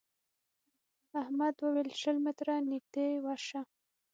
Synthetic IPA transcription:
ahmad̪wəwelʃəlmɪt̪ɾanik̚d̪̥ewaʃa

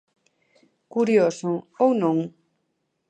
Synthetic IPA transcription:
kuɾjosoownõŋ

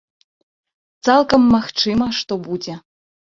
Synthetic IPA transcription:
t̪salˠkɐmːaxt͡ʂɨmɐʂt̪ɔbud͡zʲɛ

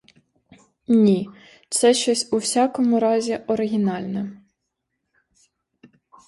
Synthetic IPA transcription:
nʲi | t̪sɛʃt͡ʃɔsʲuwsʲɑkɔmʊɾɑzʲiʔɔɾɪɦʲinɑlʲnɛ

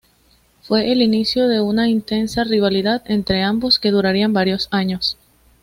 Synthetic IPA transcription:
fwe̞ʔːlinisjo̞ðe̞unaint̪e̞nsariβ̞aliðaðe̞nt̪ɾe̞ambo̞ske̞ðuɾaɾiambaɾjo̞saɲo̞s

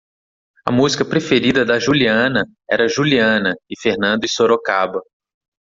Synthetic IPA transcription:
ɐ̰muzikɐpɾefeɾid̪ɐd̪ɐʒuliɐ̃nɐ | ɛ̰ɾɐʒuliɐ̃nɐɪfeɾnɐ̃nd̪ʊɪsoɾokabɐ

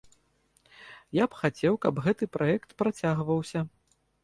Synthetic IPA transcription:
japxat͡sʲɛwkɐbɣɛt̪ɨpɾʔaɛkt̪pɾat͡sʲaɣvɐwsʲɐ

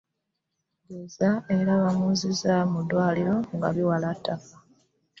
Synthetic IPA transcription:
ɟezae̞ɾaβamuzizamudwaːliɾo̞ŋɡa̰βiwalatʰːaka

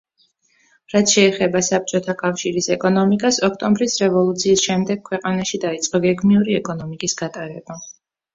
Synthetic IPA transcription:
ɾat̪ʰʃɛːχɛbasap̚t͡ʃʼɔt̪ʰakʼafʃiɾisɛkʼɔnɔmikʼasɔkʰt̪ʼɔmbɾisɾɛvɔlˠut̪sʰiːsʃɛmd̪ɛɡ̚kʰwɛqʼanaʃid̪ait̪sʼqʼɔɡɛɡmiuɾiɛkʼɔnɔmikʼisɡ̥at̪ʼaɾɛba

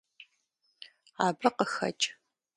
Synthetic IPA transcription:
aːbrɐqəxɐ̰t͡ʃʼ

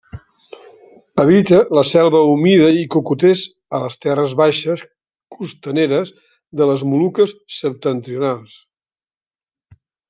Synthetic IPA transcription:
əβ̞it̪ələsɛlˠβəumiðəikukut̪ez | ələst̪ɛrəzβaʃəs | kust̪əneɾəz | ðələzmulukəsːəp̚t̪ənt̪ɾiunalˠs

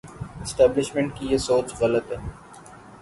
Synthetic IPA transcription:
ɪsʈɛːblɪʃmẽɳʈ̚kijesoːt͡ʃɣɐlət̪ɦɛː

